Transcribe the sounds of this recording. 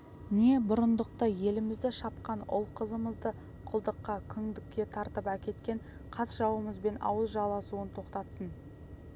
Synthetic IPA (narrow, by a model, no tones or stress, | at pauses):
ne̞bʊɾənd̪əqt̪əje̞lɪmɪzd̪ɪʃɑp̚qɑnʊ̰lˠqʰəzəməzd̪ə | qʰʊlˠd̪əqːɑkʲʰʏŋd̪ɪkʲːe̞t̪ʰɑɾt̪əpækʲe̞t̪kʲe̞ɴ | qʰɑsʒɑwəməzbe̞nɑ̰wəzʒɑlˠɑsuənt̪ʰo̞qt̪ɑt̪sən